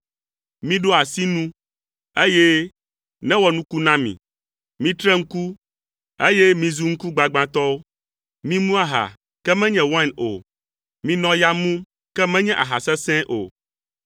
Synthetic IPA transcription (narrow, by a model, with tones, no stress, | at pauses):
mĩ˦ɖo˦a˨si˦nũ˦ | e˦jɛ˦ | nɛ̃˦wɔ˨nũ˦ku˦nã˦mḭ̃˨ | mĩ˦t̪ɾɛ˦ŋ̩˦ku˦ | e˦jɛ˦mĩ˨zu˦ŋ̩˦ku˦ɡ͡ba˨ɡ͡bã˨t̪ɔ˦o˦ | mĩ˦mũ˦a˦ɦa̰˨ | kɛ˦mɛ̃˦ɲɛ̃˨wã˦˨no̰˨ | mĩ˦nɔ̃˦ja˦mũ˦m | kɛ˦mɛ̃˦ɲɛ̃˦ʔa̰˨ɦa˨sɛ˦sɛ̃˦ʔo̰˨